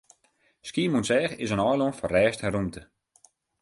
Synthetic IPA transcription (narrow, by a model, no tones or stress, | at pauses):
skiːmunsɛːxɪsənɔjlˠɔnfɔrɛːsthɛɾumtə